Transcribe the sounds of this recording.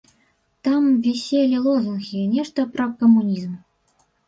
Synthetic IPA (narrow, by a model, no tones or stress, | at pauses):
t̪ɑmvʲisʲelʲilˠozunxʲinʲeʂt̪əprokomːunʲizm